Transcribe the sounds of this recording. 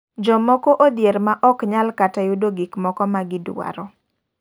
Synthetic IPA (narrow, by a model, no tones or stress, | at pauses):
d͡ʒɔmɔkɔʔod̪jeɾmaʔɔkɲalkatajudoɡikmɔkɔmaɡɪda̰ɾɔ